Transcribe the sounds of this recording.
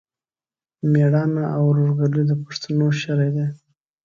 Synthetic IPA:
meɽɑnaʔawɾoʐɡaləjd̪əpḁʂt̪ʰanoʃaɾajd̪e

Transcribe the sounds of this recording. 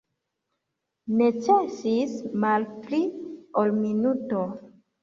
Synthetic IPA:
ne̞t͡ʃesismalpliolminuto̞

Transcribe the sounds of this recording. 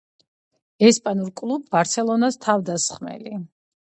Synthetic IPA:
ɛspʼanuɾkʼlˠubːaɾt̪sʰɛlˠɔnast̪ʰavd̪asχmɛ̰li

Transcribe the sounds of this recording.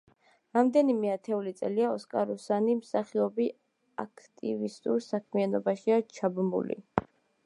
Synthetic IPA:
ɾamd̪ɛnimɛat̪ʰɛulit̪sʼɛliaɔskʼaɾusanimsaχiɔbi | akʰt̪ʼivist̪ʼuɾsakʰmianɔbaʃiat͡ʃʰabmṵlḭ

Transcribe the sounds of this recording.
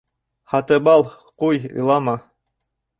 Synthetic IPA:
hɑt̪ɤbɑlˠ | qujɯ̰lˠɑmɑ

